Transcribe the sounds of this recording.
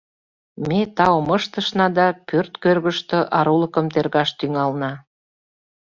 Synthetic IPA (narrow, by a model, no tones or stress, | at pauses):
met̪ɑwməʃt̪ə̆ʃnɑd̪ɑpørt̪kørɣəʃt̪ɤʔɑɾuləkə̆mt̪erɣɑʃt̪yŋɑlnɑ